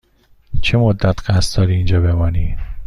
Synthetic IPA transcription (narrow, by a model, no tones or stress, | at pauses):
t͡ʃʰemod̪ːæt̪ʰɢæst̪̚d̪ɒːɾiːnd͡ʒɒːbe̞mɒːniː